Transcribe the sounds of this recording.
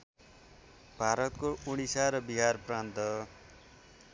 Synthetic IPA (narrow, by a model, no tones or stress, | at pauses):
b̥ʱaɾʌt̪koʔuɽ̃isaɾʌbiɦarprant̪ʌ